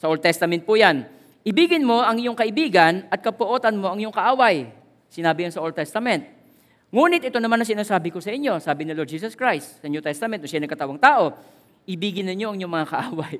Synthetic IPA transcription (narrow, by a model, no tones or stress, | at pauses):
sɐʔold̪t̪ɛst̪ɐmɛnt̪̚pʊjan | ʔɪbiːɡɪnmo̞ʔɐŋjʊŋkɐʔɪbiːɡɐnʔɐt̪̚kɐpoʔoːt̪ɐnmo̞ʔɐŋjʊŋkɐʔaːwaj | sɪnaːbɪjaŋsɐʔold̪̚t̪ɛst̪ɐmɛnt̪̚ | ŋuːnɪt̪̚ʔɪt̪o̞nɐmanːɐŋs̬ɪnaːsaːbɪko̞sɐʔɪɲːo̞saːbɪnɪlɔd̪̚d͡ʒiːsɐskɹajst̪sɐʔnot̪ɛst̪ɐmɛn̚ːʊŋʃajnɐɡkɐt̪awɐŋt̪aːʔo̞ | ʔɪbiːɡɪnːɪɲjo̞ʔɐŋjoŋmɐŋakɐʔaːwɐj